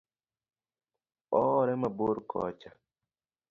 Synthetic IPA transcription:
ɔɾɛmaboɾkʰɔ̰ːt͡ʃa

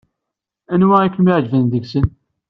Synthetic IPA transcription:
ænwæækənmiʕd͡ʒvænðəɡsən

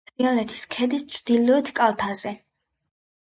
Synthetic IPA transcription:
ialɛt̪ʰi̥skʰɛd̪ist̪sʰd̪ilɔɛt̪ʰkʼalˠt̪ʰazɛ

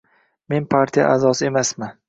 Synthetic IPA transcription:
me̞npʰaɾt̪ʰija̰ʔazɒsɪe̞masmɪ

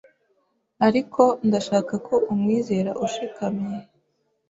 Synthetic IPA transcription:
aɾikʰo̞ndaʃaːkakʰo̞umŋiːze̞ːɾaʔuʃikamɲe

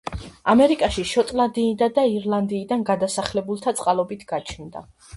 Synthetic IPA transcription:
amɛɾikʼaʃiʃɔt̪ʼlˠand̪iːd̪ad̪aiɾlˠand̪iːd̪anɡad̪asaχlɛbulˠt̪ʰat̪sʼqʼalˠɔbit̪ʰɡ̥at͡ʃʰnd̪a̰

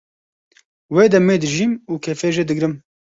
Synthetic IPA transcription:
weːd̪ɛmeːd̪ɨʒiːmuːkʰɛfeːʒed̪ɨɡɾɨm

